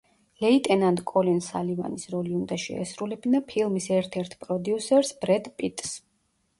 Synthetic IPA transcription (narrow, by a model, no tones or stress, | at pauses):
lɛit̪ʼɛnand̪kʼɔlinsa̰liva̰nisɾɔliund̪aʃɛ̰a̰sɾulɛbnapʰilˠmisɛɾt̪ʰɛɾt̪ʰpʼɾɔd̪iusɛɾsbɾɛd̪pʼit̪ʼs